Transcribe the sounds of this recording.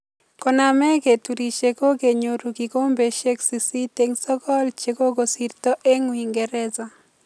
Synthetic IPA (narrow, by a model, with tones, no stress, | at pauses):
kɔ˨na˨mɛ˦ɡe˨tu˨ɾi˨t͡ʃeko˦ɡe˨ɲo˨ɾu˨ɡiɡo˦mbe˨ʃe˦ksi˨si˦teŋsɔ˦ɡɔ˦lt͡ʃeko˦ɡo˨sirtɔ˦ʔe˦ŋwi˨ŋɡɛ˨ɾɛ˦za˨